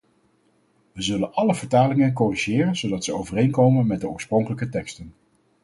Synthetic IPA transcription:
ʋəzɵlənʔɑləvəɹtaːlɪŋənk̬ɔriʒɪːrənz̥owdɑtsəowvərejnkowmənmɛd̚dəʊːɹsprɔŋkələkətɛkstən

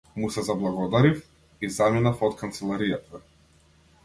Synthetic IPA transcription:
musɛzablˠaɡɔd̪aɾif | izaminafɔt̪kʰant̪sɛlˠaɾijat̪ʰa

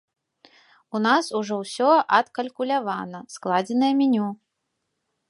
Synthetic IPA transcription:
unasuʐɔwsʲɔʔɐt̪kɐlʲkulʲavanɐsklˠad͡zʲɛnɐjɐmʲinʲu

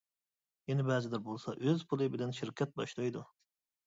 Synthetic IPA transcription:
jɛnɛbɛzɪd̪ɪɾbolˠsɑʔøzpʰulˠɨbɪlɛnʃɪɾkʲʰɛt̪̚bɑʃlˠɑjd̪u

